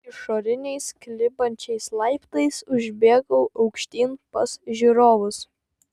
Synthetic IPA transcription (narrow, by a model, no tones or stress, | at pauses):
ɪʃoːɾʲɪnʲɛɪsklʲɪbɐnʲt͡ʃʲɛɪslˠɐɪpt̪ɐɪsʊʒʲbʲeːɡɐʊʔɐʊkʃʲt̪ʲiːnpɐsʒʲiɾoːʋʊs